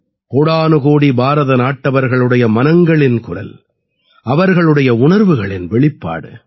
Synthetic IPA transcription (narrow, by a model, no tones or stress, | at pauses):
koːɽaːnɯɣoːɽibʱaːɾɐðɐnaːʈːɐʋɐɾɣɐɭɯɽɐjɐmɐnɐŋɡɐɭɪnkʊɾɐ̰l | ʔɐʋɐɾɣɐɭɯɽɐjɐʊɳɐɾʋɯɣɐɭɪnʋɛɭɪpːa̰ːɽɯ̰